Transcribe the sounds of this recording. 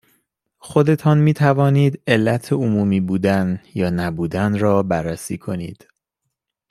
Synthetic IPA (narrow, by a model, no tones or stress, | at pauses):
xo̞d̪e̞t̪ʰɒːnmiːt̪ʰævɒːniːd̪e̞lːæt̪ʰeomuːmiːbuːd̪ænjɒːnæbuːd̪ænrɒːbærːæsiːkʰo̞nḭːd̪̥